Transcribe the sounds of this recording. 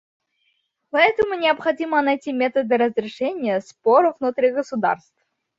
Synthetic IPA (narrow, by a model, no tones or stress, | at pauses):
pɐɛt̪əmʊnʲɪɐpxɐdʲimənɐjtʲimʲe̞t̪əd̪ɨɾəzɾʲɪʂɛnʲɪjəspoɾəvnut̪ɾʲiɡəsʊd̪a̰rst̪f